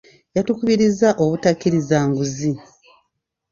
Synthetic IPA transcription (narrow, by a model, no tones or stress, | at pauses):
jatukuβiɾizaʔo̞βutakːiɾizaːŋɡuzi